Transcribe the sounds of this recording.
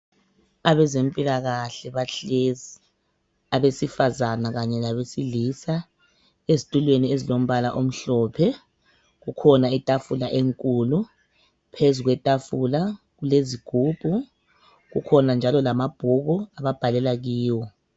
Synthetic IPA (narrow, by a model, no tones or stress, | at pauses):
aβɛzempʼilaɣaɬɛβaɬezi | aβesifazanaɣaɲɛlaβesilisa | ezitʼulweniezilom̩βalaʔom̩ɬɔːpʰɛ | ɣukʰɔnaitʼafulaʔeŋkʼuːlu | pʰezuɣwɛtʼafula | ɣuleziɡ̥ʱuːb̥ʱu | ɣṵkʰɔnand͡ʒʱalɔlamab̥ʱuɣuaβab̥ʱalɛlaɣiːwɔ